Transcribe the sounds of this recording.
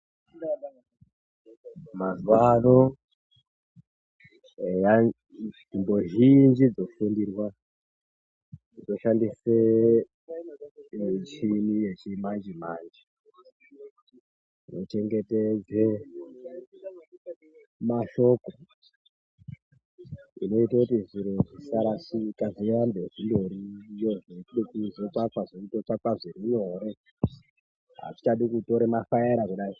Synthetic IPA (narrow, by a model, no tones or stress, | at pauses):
mazwano | eja | d͡zimboʒind͡ʒid͡zofundirwa | d͡zoʃandise | t͡ʃinijet͡ʃimand͡ʒimaːnd͡ʒi | no̞t͡ʃe̞ŋɡe̞ted͡ze | maʃo̞ko | ḭno̞itakutiʐiɾoʐisaɾaʂikaʐijambeʐindo̞ɾijoʐeɗikizekakwaʐoitokakwaʐiɾino̞ɾe | ɦa̰ti̥t͡ʃaɗikuto̞ɾemafajaɾakuɗai